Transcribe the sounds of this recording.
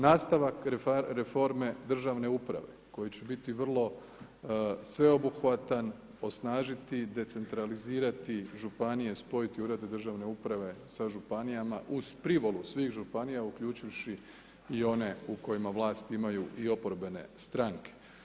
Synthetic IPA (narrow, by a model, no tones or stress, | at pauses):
naːst̪aʋakɾefo̞ɾme̞d̪r̩ʒaʋne̞upɾa̰ʋe̞ko̞jit͡ɕe̞bit̪iʋr̩lˠo̞ | sʋe̞o̞buxʋat̪an | o̞snaːʒit̪id̪e̞t̪se̞nt̪ɾaliziːɾat̪iʒupanije̞spo̞jit̪iuɾed̪ed̪r̩ʒaʋne̞upɾaʋe̞saʒupanijamaʔuz̥pɾiʋo̞lusʋiːxʒupanijaukʎuːt͡ʃiʋʃi | io̞ne̞uko̞jimaʋlˠaːst̪imajuʔio̞poɾbe̞ne̞̰st̪ɾaŋke̥